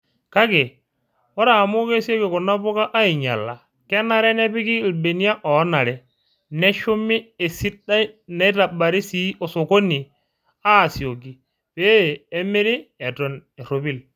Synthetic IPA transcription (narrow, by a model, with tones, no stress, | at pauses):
ka˦ke˨ | wɔ˦ɾa˨mu˦ke˦si˦o˦ki˨kɔ˨nːa˦bo˦ka˦ʔa˦i˨ɲa̰˨lːa˨ | kɛ˦na˦ɾɛ˦nɛ˦pi˦ki˦˨lbe˨ni˦a˦ʔɔ˨˦na˨ɾɛ˨ | nɛ˦ʃu˦mi˦e˨si˦da˦i˦ne˨˦ta˨ba˨ɾi˦si˦o˨so˨ko˦ni˨ | a˦˨si˨o˨ɡi˨ | peː˦˨˦me˦ɾi˦e˨tɔ˨ne˨ɾo˨bi˦l